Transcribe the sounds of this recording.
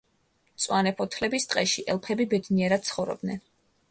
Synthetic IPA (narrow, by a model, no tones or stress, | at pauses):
t̪sʼwanɛpʰɔt̪ʰlɛbist̪ʼqʼɛʃiʔɛlˠpʰɛbibɛd̪niɛɾad̪̚t̪sʰχɔvɾɔ̰b̚d̪nɛn